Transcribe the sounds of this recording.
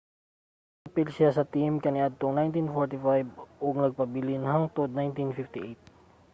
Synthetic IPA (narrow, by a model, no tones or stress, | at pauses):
apɪlsɪasɐt̪imkɐnɪʔad̪̚t̪oŋnajnt̪infoɹt̪ɪfajbʔʊɡ̚nɐɡ̚pɐbilɪnɦɐŋt̪od̪̚najnt̪infift̪iʔejt̪̚